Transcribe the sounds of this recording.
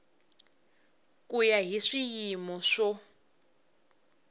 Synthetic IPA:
kujaɦiʂijimɔʂɔ

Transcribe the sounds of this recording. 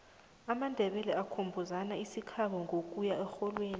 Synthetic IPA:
amandʱɛɓɛlɛakʰombʱuzanaisikʰaɓɔŋʱokʼujaɛxɔlweːni

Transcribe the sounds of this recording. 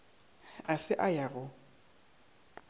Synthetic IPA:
asɪʔajaɣʊ

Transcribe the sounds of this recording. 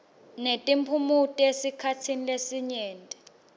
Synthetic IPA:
netʼimpʰumutʼiesikʰatʰinilesiɲɛːntʼɛ̥

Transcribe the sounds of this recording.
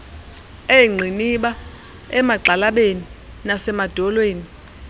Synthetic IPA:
eŋ͡ǀʱiniɓa | ɛmaǃalaɓeni | nasɛmad̥ʱɔlweːni

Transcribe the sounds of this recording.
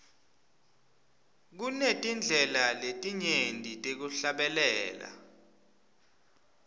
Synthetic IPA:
k̬unetʼind͡ɮʱɛlaletʼiɲendʼʱitʼek̬uɬaɓɛlɛːla̰

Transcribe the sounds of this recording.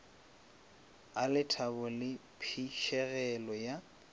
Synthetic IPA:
alɪtʰabʊlɪpʰiʃɛɣɛlɔja

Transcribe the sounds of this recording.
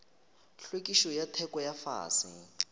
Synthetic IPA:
ɬwek̬ʼiʃɔjatʰɛkʼɔjafa̰ːsḭ

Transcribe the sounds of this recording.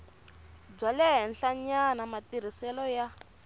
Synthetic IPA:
b͡ʐalɛɦɛnɬaɲanamatiɾ̤isɛlɔja

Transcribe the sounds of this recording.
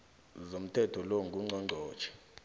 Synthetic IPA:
zom̩tʰɛtʰɔloŋɡʱuŋ͡ǀʱɔŋ͡ǀʱɔːt͡ʃʰɛ̥

